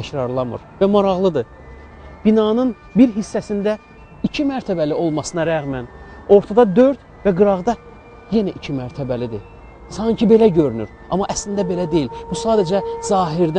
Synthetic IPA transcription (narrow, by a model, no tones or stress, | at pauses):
æcɾɑɾlˠɑmɯ̰ɾvæmɑɾɑʁlˠɯd̪ɯ | b̥inɑnɯn | biɾɦisːæsind̪æ | icʰimæɾt̪ʰæbælio̞lˠmɑsɯnɑɾæɣmæno̞ɾt̪ʰɑd̪ɑd̪ø̞ɾt̪ | væɡɯɾɑʁd̪ɑ | je̞næʔicʰimæɾt̪ʰæbælid̪i | sɑŋcʰibe̞læɟøɾyny̰ɾ | ʔɑ̰mːɑʔæslind̪æbe̞læd̪e̞jilb̥usɑːd̪æd͡ʒæzɑːɦiɾd̪æ